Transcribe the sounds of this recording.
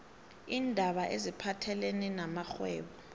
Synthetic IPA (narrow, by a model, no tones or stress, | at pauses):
iːndʱaɓaʔezipʰatʰɛleninamaxwɛːɓɔ